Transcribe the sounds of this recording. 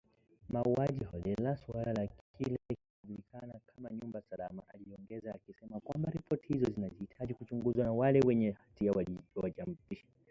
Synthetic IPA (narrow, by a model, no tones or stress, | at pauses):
mauaʄihɔlɛlasualalakʰilɛkiuʄulikʰanakʰamaɲumbasalamaʔaliɔŋɡɛzaːkisɛmakwambaɾipʰɔti̥hizɔzinaziitʰaʄikut͡ʃuŋɡuzwanawalɛwɛɲɛhatiawawaʄam̩piʃḁ